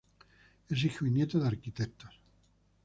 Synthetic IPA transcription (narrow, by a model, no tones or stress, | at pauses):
es̬ixuinjet̪oðaɾkit̪et̪o̥s